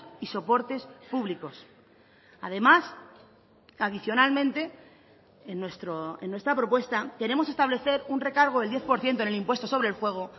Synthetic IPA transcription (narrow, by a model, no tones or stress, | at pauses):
iso̞po̞ɾt̪e̞spuβliko̞s | a̰ðe̞mas | aðiθjo̞nalmẽ̞nt̪e̞ | enːwest̪ɾoenːwe̞st̪ɾapɾo̞pwe̞st̪ake̞ɾe̞mosest̪aβle̞θe̞ɾunre̞kaɾɣ̞o̞ðeld̪je̞θpo̞ɾθje̞nt̪onelimpwe̞st̪o̞so̞βɾe̞lfwe̞ɣ̞o